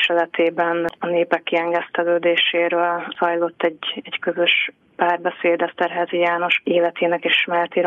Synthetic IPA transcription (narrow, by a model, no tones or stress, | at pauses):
ʃɛlɛt̪ʰeːbɛnɒneːpɛkːiɛŋɡɛst̪ɛløːd̪eːʃeːɾøːlz̥ɒjlo̞t̪ːɛɟɛɟkøzø̞ʃ | paːrbɛseːd̪ɛst̪ɛɾɦɛzijaːno̞ʃeːlɛt̪ʰeːnɛkeːʃmɛlt̪iɾ